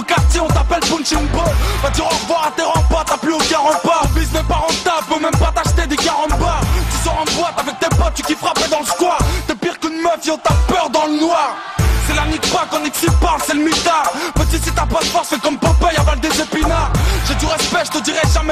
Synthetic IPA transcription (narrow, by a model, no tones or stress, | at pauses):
kaʁt̪jeɔ̃t̪apɛlpũnt͡ʃiŋbɔ̃vad̪iʁɔ̃ʁvwaʁat̪eʁɑ̃pat̪aplyokãʁɑ̃paʁbismɛpaʁɑ̃t̪apømɛmpat̪aʃt̪ed̪ekaʁɑ̃paʁt̪ysɔʁɑ̃bwat̪avɛk̚t̪epɔt̪̚t̪ykʲifχapɛd̪ɑ̃ləskwaʁt̪ɛpiʁkynməfeɔ̃t̪apœʁd̪ɑ̃lənwaʁ | sɛlanikpwakɑ̃nɛksipalsɛləmit̪apət̪ysit̪ãpat̪fɔʁfɛkɔmpɔ̃pɛjavald̪ezepinaʒ̥ɛd̪yʁɛspɛʒət̪əd̪iʁɛʒamɛ